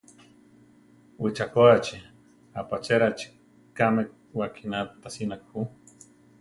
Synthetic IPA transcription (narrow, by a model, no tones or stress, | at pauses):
wit͡ʃakoat͡ʃi | apat͡ʃeɾat͡ʃi̥ | kame | wakʰinat̪asinakhu